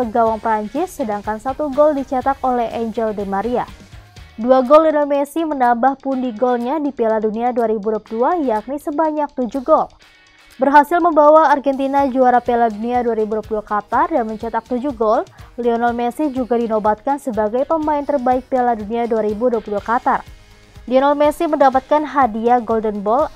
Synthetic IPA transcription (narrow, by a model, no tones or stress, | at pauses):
əɡawaŋpəɾaɲt͡ʃɪsːədaŋkansat̪uɡɔldit͡ʃat̪akolɛhɛɲd͡ʒɛldɛmaɾia | duaɡɔlionalmɛsimənambahpundiɡɔlɲadipɛladuniaduaɾibuduapuduajak̚nisəbaɲak̚t̪ud͡ʒuɡɔl | bərɦasɪlməmbawaːrɡɛnt̪inad͡ʒuaɾapɛladuniaduaɾibuduapuduakat̪ardanməɲt͡ʃat̪ak̚t̪ud͡ʒuɡɔlliɔnalmɛsid͡ʒuɡadinobat̪̚kansəbaɡajpəmaɪnt̪ərbaɪk̚pɛladuniaduaɾibuduapuduakat̪ar | liɔnalmɛsiməndapat̪̚kanɦadiaɡɔldənbɔl